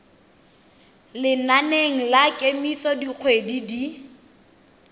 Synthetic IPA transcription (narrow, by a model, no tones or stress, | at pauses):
lɪnaneŋ̩lakʼemisɔdik͡xʰwedidi